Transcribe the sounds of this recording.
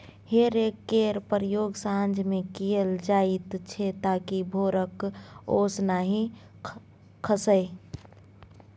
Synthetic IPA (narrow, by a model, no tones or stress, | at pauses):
heːɾekːeɾpəɾjoːɡsand͡ʒmẽkijəld͡ʒaːɪt̪t͡ʃʰet̪aːkibʱoːɾəkoːsnaɦĩ | kʰəsəe